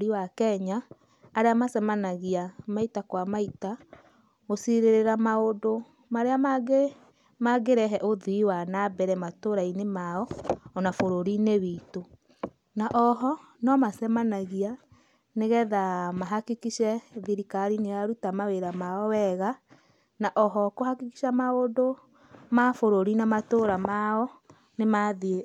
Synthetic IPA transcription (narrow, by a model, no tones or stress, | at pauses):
ɾiwakɛɲaː | ɾeamasɛmanaɣiamaitakwamaita | osiɾeɾeɾamaodo | maɾeaaɡe | maɡeɾɛɦɛʔoðuiwanabɛɾɛmatoɾainemaɔːnafoɾoɾineβiːto | naʔɔɦɔ | nɔmasɛmanaɣia | neɣɛðamaɦakikiʃɛðiɾikaɾineaɾutamaweɾamaɔwɛɣa | naʔɔɦɔkohakiki̥ʃamaodo | mafoɾoɾinamatoɾamaɔ | nemaðie